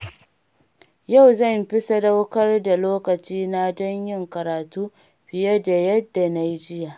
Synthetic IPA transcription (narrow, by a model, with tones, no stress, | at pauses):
ja˦˨wzɐ˦˨mɸɪ˦sa˦da˦wkɐ˦rda˨loː˦kɐ˨t͡ʃiː˦na˦dɔ˦ɲjɪ˦ŋkɐ˨ɾaː˨tuː˦ | ɸɪ˨jɐ˦da˨jɐ˦dːa˨na˦jd͡ʒɪ˦ja˨ʔ